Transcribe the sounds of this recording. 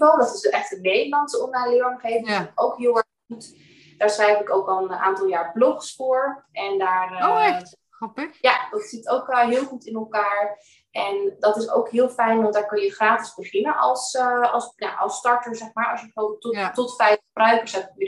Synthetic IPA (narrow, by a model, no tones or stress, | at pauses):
vɔlˠdɑtɪsɛχtənːejdəɹlɑntsəɔnalɪɹəŋχejfowkɦɪlˠɛ | χut | d̥aːɹsrɛjfɪkowkɑlˠənʔa̰ːntɑlˠjaːɹblɔχsfʊɹʔɛndaːr | jadɑtsɪtowkɦɪːlˠχutɪnɛlˠkaːɹ | ʔɛndɑtɪso̰wkɦɪːlˠfɛjnʋɑntdaːɹkɵnjəχraːtɪzbəχɪnənʔɑlˠsɑlˠsja̰ʔɑ̰lˠstɑɹtəɹzɛχmaːɹɑsjəotɔtfɛjχəbrœɥkəɹsɛtɪ